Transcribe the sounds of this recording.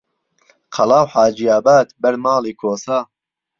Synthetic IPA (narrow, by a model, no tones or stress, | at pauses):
qʰɐlaːwħaːd͡ʒijaːbaːd̪bɐɾmaːliːkʰoːsaː